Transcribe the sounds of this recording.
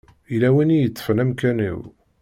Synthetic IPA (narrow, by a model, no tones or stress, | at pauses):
ilæwinijət͡sːə̥fənæmkænḭw